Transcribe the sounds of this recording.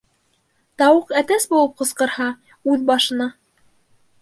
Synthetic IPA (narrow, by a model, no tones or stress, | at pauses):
t̪ɑwɤqæt̪æsbulˠɤp̚qɤ̆sqɤ̆ɾhɑ | ʉðbɑʃɤ̆nɑ